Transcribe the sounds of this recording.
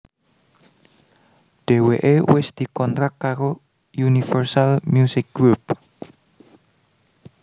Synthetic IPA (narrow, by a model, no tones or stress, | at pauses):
d̥e̤weʔewɪsd̪̥i̤kɔnt̪ɾakkːaɾo | junifərsalmjusɪk̚ɡɾup̚